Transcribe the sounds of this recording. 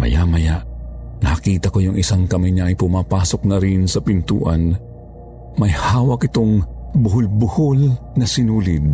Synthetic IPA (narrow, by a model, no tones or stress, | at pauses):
mɐ̰ja̰mɐjaʔnɐɐkiːt̪ɐkojʊŋʔɪsaŋkɐmɪɲaːjpʊmaːpaːsok̚nɐɾɪnsɐpɪnt̪ṵːʔɐn | mɐjhaːwɐkʔɪt̪oŋbʊɦʊlbʊholnɐsɪnuːlɪd̪̚